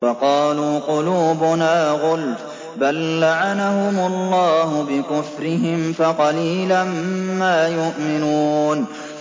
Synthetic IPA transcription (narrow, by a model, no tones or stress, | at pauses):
wɑqɑːluːqʊluːbʊnaːɣʊlt̪ | balːaʕanaɦʊmʊlˤːɑːhʊbɪkʊfɾɪɦɪmfaqɑliːlamːaːjʊʔmɪnuːn